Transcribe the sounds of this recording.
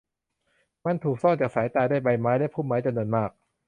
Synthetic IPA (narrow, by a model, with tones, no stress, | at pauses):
ma˧˥nt̪ʰuː˨˩k̚sɔ˥˩ŋt͡ɕaː˨˩ksaː˩˦jt̪aː˧jdaː˥˩jba˧jmaː˦˥jdaː˥˩˨jpʰuː˥˩maː˦˥jt͡ɕa˧mnu˧ənmaː˥˩k̚